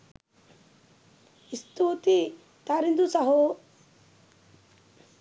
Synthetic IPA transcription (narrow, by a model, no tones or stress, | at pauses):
ist̪uːt̪i | t̪aːɾind̪usɐɦu